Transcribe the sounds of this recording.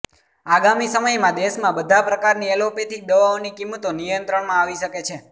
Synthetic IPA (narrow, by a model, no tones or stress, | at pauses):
aɡamisəməjmãd̪eʃmãbəd̪ʱapɾəkaɾniɛlopet̪ʰid̪əʋaonikimət̪onijənt̪ɾəɳmãaʋiʃəket͡ʃʰe